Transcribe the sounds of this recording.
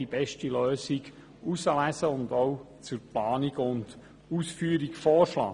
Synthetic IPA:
ib̥ɛʃtiløːsiɡ | usəlæsəʊnd̪ow | t͡sʊɾplɑːniɡʊnd̥ | uːsfyːəɾikfɔːɾʃlɑ̰ː

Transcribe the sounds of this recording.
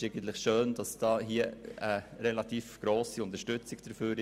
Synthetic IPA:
eɪɡən̩t̪lɪχʃøːnd̥ɑsd̥ɑːɦiəəɾɛlɑt̪iːfɡ̥ɾoːsiʊnt̪əɾʃtʏt͡sɪɡ̥d̥əɾføːɾɪ

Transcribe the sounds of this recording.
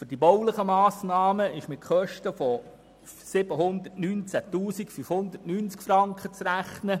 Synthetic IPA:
fyrd̥ibɔwləχəmɑːsnɑːməɪʃmɪt̚χœʃtəfɔ | sɪb̥əɦʊnd̪ətnyːnt͡sætuːsikfyfhʊnd̪ətnyːnt͡skfɾɑŋkχət͡sɾæχnə

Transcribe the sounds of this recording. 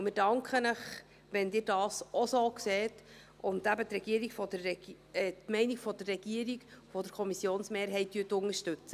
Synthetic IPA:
mɪːɾd̥ɑŋkχənəχ | ʋɛndɪːɾdɑːsʔɔsoːkseːt | ʔʊnd̥̪æbət̪ɾɛɡ̥iəɾiɡ̥fɔdərɛ | tmɛɪniɡ̥fɔd̪ərːɛɡ̥iəɾiɡfɔd̪əɾkʰɔmisjoːnsmeːɾɦɛɪt̚dyːtʊŋəʃtɵt͡sə

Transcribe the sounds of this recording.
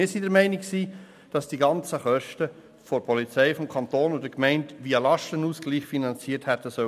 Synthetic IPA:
ɪːɾsidɛɾmɛɪnɪkksiː | d̥ɑsd̥iɡɑnt͡səχœʃtə | fɔpʰɔlit͡sɛɪfɔmkʰɑntoːnʊdəkmɛɪntʋiːəlɑʃtənuːsɡ̥liːχfinɑnt͡siːthɛtəsœ

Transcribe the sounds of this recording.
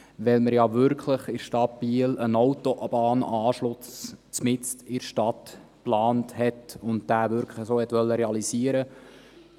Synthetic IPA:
ʋɛlməɾjɑvʏɾkʰləχɪɾʃtɑt̚b̥iːlənɔwtoʔb̥ɑːnɑːʃlʊst͡smɪt͡stɪɾʃtɑt | plɑːnthɛtʊntd̥æːvʏɾkʰləχsoːhɛt̪ʋœlːəɾɛɑlisiəɾə

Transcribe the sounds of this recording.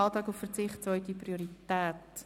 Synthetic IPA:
ɑlˠtɑːkʊfərt͡sɪχtt͡soʏtdiprioɾitɛːt

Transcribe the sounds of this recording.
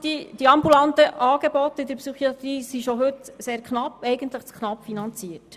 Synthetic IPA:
d̪̥id̥iɑmbulɑnt̪əʔɑːɡ̥ebɔt̪ːɪd̪əɾpsyχiɑt̪ɾiːsiʃɔɦɵt̪seːɾkχnɑpːɛjɡənt̪ləχt͡skʰnɑpːfinɑnt͡siət

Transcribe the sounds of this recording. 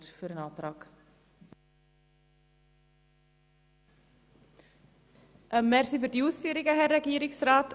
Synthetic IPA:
rfəɾənaːdrɔk | əmːɛrsivədiwsfyːɾɪɡaɦɛrɛɡiːɾɪŋsraːtʰ

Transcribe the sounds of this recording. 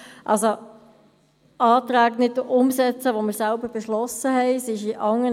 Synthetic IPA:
ʔɑ̰lso | ɑːt̪ɾæːɡnɪt̚duʔʊmsɛt͡səʋomɪɾsɛlbəɾb̥eʃlɔsəɦɛɪsɪʃiʔɑŋːə

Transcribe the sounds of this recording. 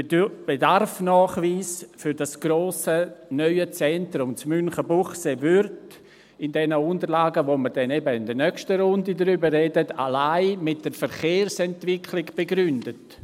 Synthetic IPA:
b̥edarfnɔːχviːsfʏɾdasɡ̥ɾoːsənœʏət͡sɛntɾʊmt͡smʏnχəbuχsevʏrt | ɪndɛnəʊndəɾlaːɡəʋoməɾdɛnebəɪndənœkʃtəɾʊndidəɾybəɾrɛdətʰa̰laɪmɪt̚d̥əɾfəɾχeːɾsɛntvɪkʰlɪɡb̥eɡɾʏndət

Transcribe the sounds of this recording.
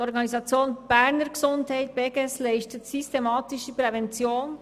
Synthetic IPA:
ɔɾɡɑnizɑt͡sjoːnb̥ɛʁnəɾɡəzʊnthaɪt̚b̥ɛɡɛslɛɪçtətsystemɑːtɪʃəpʁɛvɛnt͡sjoːn

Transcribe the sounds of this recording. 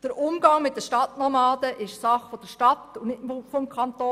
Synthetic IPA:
d̥əɾʊmɡɑŋmɪt̚d̥əʃtɑtnɔmɑːd̥əʔɪʃsɑχfod̥əʃtɑtunɪtmfɔmkʰɑnt̪oː

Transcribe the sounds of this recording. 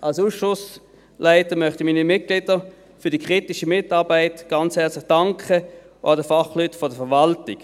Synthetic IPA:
ʔɑlsuːsʃʊs | laɪtəmœχtimiːnimɪt̚ɡ̥lɪdə | fʏd̥ikʁ̥itɪʃəmɪtɑʁbaɪtɡ̥ɑnt͡shɛɐt͡slɪχd̥ɑŋkʰə | ɑdəfɑχlytfɔdəfɛʋɑltɪk

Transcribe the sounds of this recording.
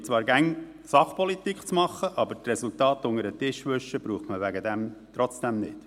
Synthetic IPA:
t͡sʋɑːɾɡæŋ | sɑχpɔlit̪ikχt͡smɑχːəʔɑbəɾtrɛsʊltɑːt̪ʊŋəɾətɪʃʋɵʃəb̥ɾuːχtməʋæɡəd̪ɛmt̪ɾɔt͡sd̥ɛmnɪ̰t

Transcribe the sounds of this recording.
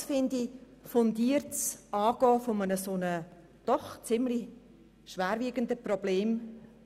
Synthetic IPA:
fɪndifondiːɾtsɑːɡ̥ɔːfɔmənəsoːnə | d̥ɔχt͡sɪmli | ʃʋæːɾviːɡ̥əndəprɔb̥leːm

